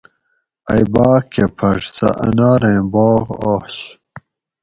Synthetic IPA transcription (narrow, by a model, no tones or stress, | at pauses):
ɐjbaːkepʰɐʂsɐ̰ʔɐ̰naːɾɐ̃jbɑːʁɑːɕ